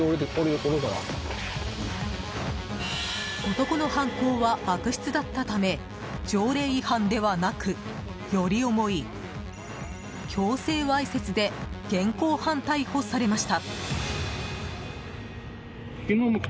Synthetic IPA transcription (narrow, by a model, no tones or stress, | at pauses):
oɾoɾekoɾoɡ̪aɾa̰ | o̞t̪o̞ko̞no̞hãŋko̞ːβab̥akɯ̟ɕi̥t͡sɨd̪at̪ːat̪ame̞ | d͡ʑo̞ːɾe̞ːihãnd̪e̞βanakɯ̟ | jo̞ɾʲio̞mo̞i | kʲʰo̞ːse̞ːβaise̞t͡sɨd̪e̞ɡ̥ẽ̞ŋkoːhãnt̪aiho̞saɾe̞maɕi̥t̪a | kʲinom